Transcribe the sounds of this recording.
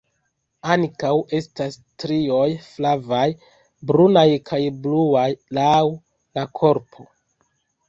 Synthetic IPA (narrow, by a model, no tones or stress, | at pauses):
aŋkawe̞stastɾio̞jflavaj | bɾunajkʰajbluajlaw | lakʰo̞ɾpʰo̞